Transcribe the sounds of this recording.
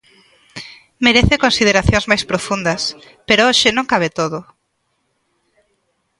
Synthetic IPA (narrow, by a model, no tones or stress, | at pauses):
meɾeθekonsið̞eɾaθjõŋzmajspɾofund̪ɐs | peɾooʃɪnõŋkaβ̞et̪oðo